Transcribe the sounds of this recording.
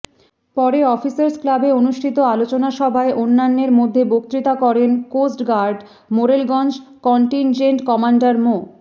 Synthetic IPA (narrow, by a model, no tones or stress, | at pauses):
pɔɾeɔfisaɾsklabeonuʃʈʰit̪oalot͡ɕonaʃɔbʱaeʔonːanːeɾmod̪ʱːebokt̪ɾit̪akɔɾenkosʈɡaɾɖ | moɾelɡɔnd͡ʑkɔɳʈind͡ʑeɳʈkɔmaɳɖaɾmo